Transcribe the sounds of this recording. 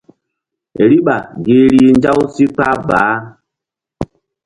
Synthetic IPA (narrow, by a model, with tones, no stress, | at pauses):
ɾi˦ɓa˨ɡe˨ɾi˦nd͡ʒa˦wsi˦k͡pa˦ba̰ː˨˦